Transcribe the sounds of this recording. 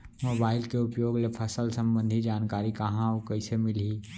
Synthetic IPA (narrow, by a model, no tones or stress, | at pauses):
mobaːɪlkeupjoːɡlepʰəsəlsə̃mbə̃nd̪ʱid͡ʒaːnkaːɾikəɦãokəɪsemɪlɦi